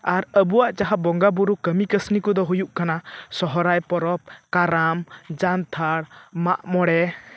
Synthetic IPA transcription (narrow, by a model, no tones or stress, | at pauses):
aɾəbuwaʔt͡ʃaɦabɔŋɡabuɾukəmikəsnikud̪ɔɦujuʔkanasɔɦɔɾajpɔɾɔp̚kaɾamd͡ʒant̪ʰaɽmaʔmɔɽɛ